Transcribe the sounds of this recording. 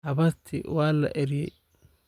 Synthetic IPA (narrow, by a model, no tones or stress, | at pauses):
hɐβɐst̪ʰɪ̰waːlɐ̰ʔɛɾjɛ̰